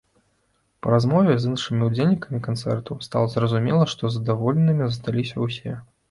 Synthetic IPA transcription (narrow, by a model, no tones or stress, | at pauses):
pɐɾazmɔvʲɛzɨnʂɨmʲiud͡zʲelʲnʲikɐmʲikant̪sɛ̰rt̪ust̪a̰lˠɐzrɐzumʲɛlˠɐʂt̪ɔzɐd̪avɔlʲɛnɨmʲizɐst̪alʲisʲɐwsʲɛ